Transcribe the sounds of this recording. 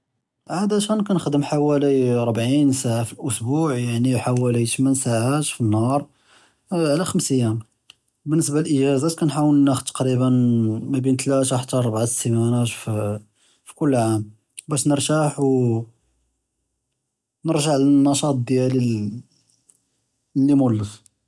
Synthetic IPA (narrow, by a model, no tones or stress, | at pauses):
ʕad̪æʃænkænəxd̪əmħawæliɾˤbʕinsaʕafilʔʊsbuʕjaʕniħawælit̪mənsaʕat̪finːhɑɾˤ | ʕlæxəmsəjːæm | bənːəs̬baləlʔəʒæzæt̪kænħawəlnːæxd̪t̪ːɑ̥qɾibənmæbint̪læt̪aħə̥t̪ːæɾˤbʕat̪samænæt̪f | fi̥kʊlːʕam | bæʃnəɾˤʒaħw | nəɾˤʒaʕlænːɑʃɑt̪̚ˤd̪jæli | lːimʊlːəf